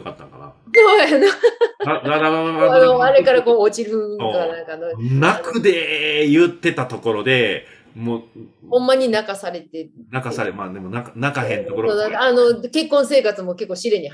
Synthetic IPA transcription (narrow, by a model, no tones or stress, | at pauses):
kat̪ːaka̰na̰ | soːjanoad̪ad̪aaaanoaɾe̞kaɾako̞ːot͡ɕiɾɯ̃nãŋkanonnakɯ̟d̪ejɯt̪ːe̞t̪at̪o̞ko̞ɾo̞d̪e̞ | mo | hõ̞mːaɲ̟inakasaɾe̞t̪e̞nakasaɾemad̪emonaknakahẽnt̪okoɾoonakaano̞ke̞kːõse̞ːkat͡sɨmo̞ke̞kːo̞ːɕiɾe̞ɲ̟i